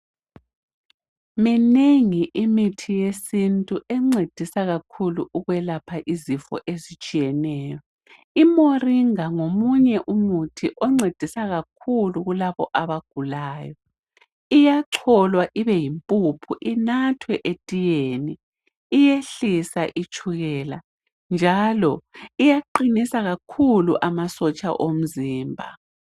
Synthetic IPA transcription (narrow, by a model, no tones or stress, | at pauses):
mineŋiʔimitʰijesintʼuʔɛŋ͡ǀed̥ʱisaɣakʰuluʔuɣwɛlapʰaʔizifɔ̰ʔezit͡ʃʼijɛnɛːjɔ | imoriŋaŋomuɲɛʔumutʰiʔɔŋ͡ǀed̥ʱisaɣak̚ʰuluɣulaβɔʔaβaɡ̥ʱulaːjɔ | ijaǀʰɔlwaʔiβɛjimpʼupʰuʔinatʰwɛʔetʼijeniː | jeɬisaʔit͡ʃʰʼuɣɛːla | nd͡ʒʱalɔijaǃinisaɣakʰuluʔamasɔt͡ʃʼa̰ʔom̩ziːmbʱa̰